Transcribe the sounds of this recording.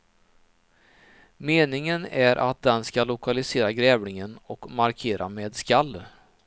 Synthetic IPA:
meːnɪŋənæɾʔa̰t̪̚d̪ɛnskalːʊkalɪseːɾaɡɾɛːvnɪŋənɔkmaɾkʰeːɾameːd̪skalː

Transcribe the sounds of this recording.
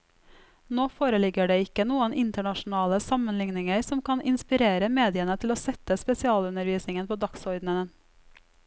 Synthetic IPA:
noːfoːɾəlɪɡəɖeːɪkənuːənɪnt̪əɳɑʃn̩ɑːləsɑmənlɪŋnɪŋəɾsɔmkʰɑnʔɪnspɪɾeːɾəmeːd̪ɪənət̪ʰɪloːsɛt̪əspɛsɪɑːlʉnəɾʋiːsnɪŋənpʰoːd̪ɑksɔɾd̪nənən

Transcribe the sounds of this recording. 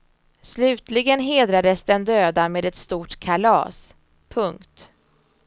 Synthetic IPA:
slʉ̟ːt̪lɪɡənɦeːd̪ɾad̪əsd̪ɛnd̪øːd̪ameːd̪ɛt̪st̪uːʈkʰalɑ̰ːs | pʰɵŋkt̪

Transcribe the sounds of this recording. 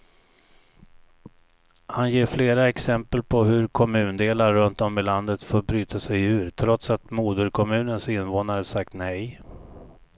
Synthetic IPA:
hanjeːɾfleːɾaɛksɛmpəlpʰɔɦɵɾkʰɔmʉ̟ːnd̪eːlaɾːɵnt̪ɔmɪland̪ət̪foːɾbɾyːt̪ʰasɛjʉ̟ːɾt̪ʰɾɔt̪sat̪muːd̪əɾkʰɔmʉ̟ːnənsɪnːvoːnaɾəsak̚t̪nɛj

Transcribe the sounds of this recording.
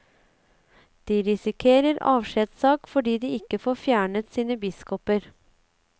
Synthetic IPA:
d̪̥iːɾɪsɪkʰeːɾəɾɑ̰ːʋʃɛd̪sɑːkfɔɖiːd̪iːɪkəfoːfjæːɳət̪siːnəbɪskɔpəɾ

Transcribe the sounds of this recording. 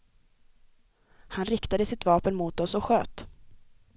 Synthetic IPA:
hanɾɪkt̪ad̪əsɪt̪vɑːpənmuːt̪ɔsɔɧø̰ːt̪

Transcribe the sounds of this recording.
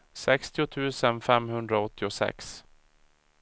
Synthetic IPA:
sɛkst̪ɪʊt̪ʰʉ̟ːsənfɛmhɵnd̪ɾaɔt̪ːɪʊsɛ̰ks

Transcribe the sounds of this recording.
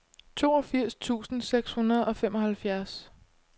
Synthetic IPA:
t͡sʰo̝ːɒ̽fiɐ̰st͡sʰṵːsn̩seɡ̥shunɐð̞ˠɒ̽fem̰ɒ̽hælfjæɐs

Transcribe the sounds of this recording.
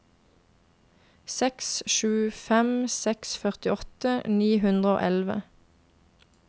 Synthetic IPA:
sɛksʃʉːfɛmsɛksfœʁt̪ɪɔt̪əniːɦʉnd̪ʁəo̰ːʔɛlʋə̰

